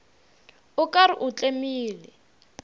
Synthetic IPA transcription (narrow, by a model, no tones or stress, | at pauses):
ʊkaɾɪʔut͡ɬʼemiːlɛ